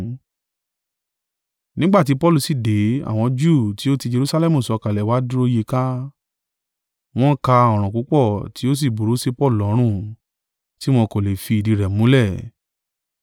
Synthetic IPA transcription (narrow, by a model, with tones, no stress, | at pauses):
nĩ˦ɡ͡ba˦˨ti˨˦pɔ˦lu˦˧si˦˨de˨˦a̰˦˨w̃ɔ̃˧d͡ʒu˦˨ti˨˦o˦ti˧d͡ʒe˧ɾu˧˦sa˧lɛ˦mũ˨sɔ˧ka˨lɛ˨wa˦du˦o˧je˧kã˦ | w̃ɔ̃˦ka˧ɔ˨ɾ̃ɔ̃˨ku˨˦k͡pɔ˦˨ti˨˦o˦s̬i˦˨bu˨ɾo˨˦se˦pɔ˦˨lu˨ɔ˨˦ɾ̃ũ˦˨ | ti˦w̃ɔ̃˧ko˨le˨fi˧i˨di˧ɾɛ˨mũ˨˦lɛ˦˨